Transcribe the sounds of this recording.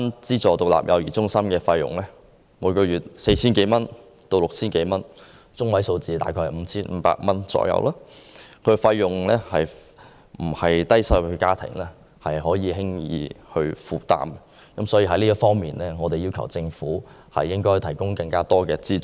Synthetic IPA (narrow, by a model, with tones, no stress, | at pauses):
nt͡siː˥t͡sɔː˨t̪ʊ˨k̚la̰ː˨p̚jɐ̰˨˧wjiː˨˩t͡sʊ˥ŋsɐ˥mkɛː˧fɐ˧jjʊ̰˨˩ŋlɛː˥ | muː˨˧jkɔː˧jyː˨t̚se˧jt͡sʰiː˥nke˨˥jmɐ˥n | t̪o˧wlʊ˨k̚t͡sʰiː˥nke˨˧˥jmɐ˥n | t͡sʊ˥ŋwɐ˨˥jso˧wt͡siː˧t̪aː˨jkʰɔː˧jm̩˨˧˦t͡sʰiː˥nm̩˨˧˥pa̰ː˧k̚mɐ˥nt͡sɔ̰ː˧˥jɐ̰˧wlaː˥kʰɵ˨˧fɐ˧jːʊ˨ŋlɛː˥hɐ˨j | m̩˨˩hɐ˨jt̪ɐ˥jsɐ˧wɵ˧kaː˥t̪ʰɪ̰˨˩ŋlɛ˥ | hɐ˨jɦɔː˨˥jiː˨˧ɦɪ˥ŋjḭː˨˧hɵ˧ɥfuː˨˩t̪a̰ː˨m | kɐ˨˥msɔː˨˥jiː˧ɦɐ˧˥jliː˥ɐ˥fɔː˥ŋmiː˨nlɛː˥ŋɔː˨˧t̪e˨jiː˥wkʰɐ˨˩wt͡sɪ˧ŋfuː˨˥ | hɐ̰˨jːɪ˥ŋkɔː˥jt̪ʰɐ˨˩jkʊ˥ŋkɐ˧ŋkaː˥t̪ɔː˥kɛː˧t͡siː˥